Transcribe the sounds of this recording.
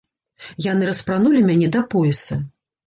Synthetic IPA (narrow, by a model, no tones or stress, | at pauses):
janɨɾɐspɾanulʲimʲanʲɛd̪ɐpɔjɛsɐ